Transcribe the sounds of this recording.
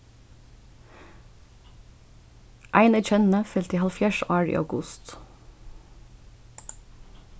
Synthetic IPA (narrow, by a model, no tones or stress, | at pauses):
ʔæɪnæc͡çɛnn̩əfɛlt̪iːhɑlfjæːʃʔæːɹḭːʔɑ̰ʉɡʊst̪